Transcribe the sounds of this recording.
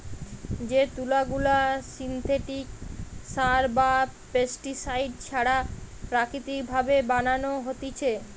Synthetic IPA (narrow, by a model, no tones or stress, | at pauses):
d͡ʑet̪ulaɡulasint̪ʰeʈiksaɾbapesʈisajɖt͡ɕʰaɽapɾakɾit̪ikbʱabebananoɦot̪it͡ɕʰe